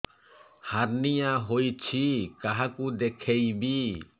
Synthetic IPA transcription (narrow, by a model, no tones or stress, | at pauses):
haɾnijaɦojt͡ʃʰikaɦakud̪ɛkʰɛjbi